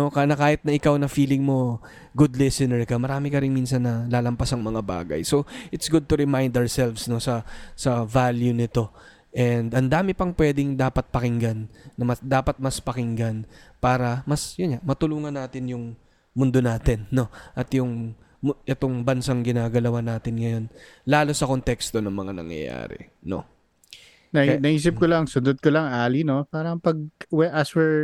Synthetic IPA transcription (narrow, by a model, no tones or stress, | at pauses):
nokɐnɐkaːhɪt̪̚nɐʔɪkawnɐfiːlɪŋmo̞ | ɡʊd̪lɛsɪnɛɹkɐmɐɾaːmɪkɐɾɪnminsɐnːɐlaːlɐmpasɐŋmɐŋaba̰ːɡɐ̰jso̞ʔɪt̪sɡʊd̪̚t̪ʊɾɛmajnd̪ɐwɹsɛlfsno̞sɐsɐvaljunɪt̪o̞ | ʔɛnd̪ɐnd̪aːmɪpɐŋpwɛd̪ɪŋd̪aːpɐt̪̚pɐkɪŋɡanːɐmɐsd̪aːpɐt̪̚mɐspɐkɪŋɡɐnpaːɾɐmɐsjʊnɲaʔmɐt̪ʊluːŋɐnːaːt̪ɪnjʊŋ | mʊnd̪o̞naːt̪ɪnːo̞ʔɐt̪jʊŋ | mʔɛt̪o̞ŋbɐnsaŋɡɪnaːɡɐlɐwanaːt̪ɪnŋɐjo̞n | laːlo̞sɐko̞nt̪ɛkst̪o̞nɐŋmɐŋanɐ̰ŋjɐ̰ja̰ːɾɛ̰ | no̞̰ | nɐnɐʔiːs̬ɪp̚kolɐŋsʊnd̪od̪̚kolɐŋaːlino̞paːɾɐŋpɐɡ̚wɛʔɐswɛɹ